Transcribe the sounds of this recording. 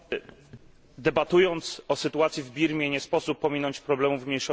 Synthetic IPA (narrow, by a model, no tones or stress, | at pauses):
d̪ɛbat̪ujɔnt̪sɔsɘt̪uat̪sʲjivbʲiɾmʲjɛɲɛspɔsupːɔmʲinɔɲt͡ɕpɾɔblɛmuvmʲɲejʂɔ